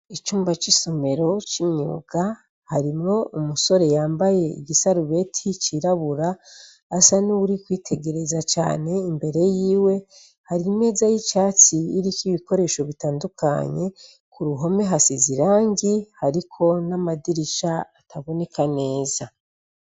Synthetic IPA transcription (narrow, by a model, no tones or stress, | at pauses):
it͡ʃuːmbat͡ʃisome̞ɾo̞t͡ʃimɲṵːɡ̥a | haɾimŋo̞umuso̞ɾe̞jaːmbaje̞ḭɡisaɾuβe̞tʰit͡ʃiɾaβuɾaː | sanuuɾikwiːtʰe̞ɡe̞ɾe̞zat͡ʃa̰ːne̞imbe̞ɾe̞jiːwe̞ | haɾime̞ːzajit͡ʃaːt͡siːɾikiβiko̞ɾe̞ːʃo̞βitaːndukʰa̰ɲe̞ | kuɾuɦo̞me̞ɦasiziɾaːŋɡihaɾikʰo̞namadiɾiʃaːtʰaβo̞ne̞kʰane̞ːza